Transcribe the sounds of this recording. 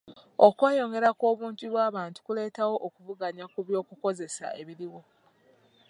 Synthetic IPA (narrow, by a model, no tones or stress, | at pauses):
okweːjo̞ŋɡe̞ɾakwo̞ːβuːɲɟiβwaːβaːntu̥kule̞ːtawo̞ʔːkuvuɡaɲakuβjo̞ːkuko̞ze̞sa̰ʔe̞βiɾiwo̞